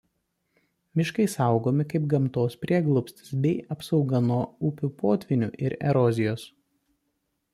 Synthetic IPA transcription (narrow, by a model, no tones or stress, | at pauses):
mʲɪʃkɐɪsɐˑʊɡoːmʲɪkɐɪp̚ɡɐmt̪oːspʲɾʲiɛɡlˠɔpʲsʲt̪ʲɪ̥sbʲɛɪʔɐpsɒʊɡɐnuɔʊpʲupoːt̪ʲʋʲɪnʲṵːʔɪɾɛ̰ɾɔzʲɪjoːs